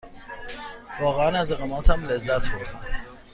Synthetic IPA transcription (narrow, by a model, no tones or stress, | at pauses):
vɒːɣeænæzeɣemæːt̪ʰæmlezːæt̪ʰboɾd̪æn